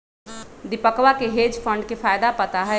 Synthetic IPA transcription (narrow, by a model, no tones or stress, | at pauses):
d̪ɪpəkʋakeɦeːd͡ʒfʰə̃ɳɖkefaːjd̪apət̪aɦɛ